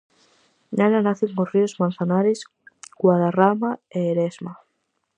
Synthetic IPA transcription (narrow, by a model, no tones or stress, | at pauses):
nananaθeuŋkoriozmãnθanaɾes | ɡwaðaramaeːɾezma